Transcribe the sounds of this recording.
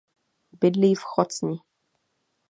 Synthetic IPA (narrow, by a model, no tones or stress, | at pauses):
bɪdliːfxɔt͡sɲi